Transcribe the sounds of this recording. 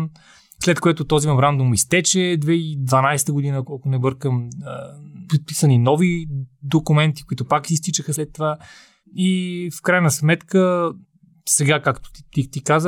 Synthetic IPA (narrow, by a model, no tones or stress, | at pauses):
slɛt̪koɛt̪ʊt̪ɔzimɐmɾand̪umist̪ɛt͡ʃɛd̪vɛid̪vɐnajst̪əɡʊd̪inəkokʊnɛbɤɾkəməpɾit̪̚pisəninɔvid̪okʊmɛnt̪i̥koit̪ʊpaksist̪it͡ʃəxəslɛt̪ːova | ifkɾajnəsmɛt̪kə | sɛɡakakt̪ʊ̥t̪it̪ikazə